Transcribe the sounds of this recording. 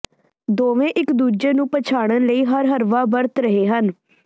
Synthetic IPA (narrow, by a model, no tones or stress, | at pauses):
d̪oːʋẽːʔɪkd̪uːd͡ʒeːnũːpət͡ʃʰaːɽ̃ənləiːɦəɾɦəɾʋaːbəɾt̪ɾəɦeːɦən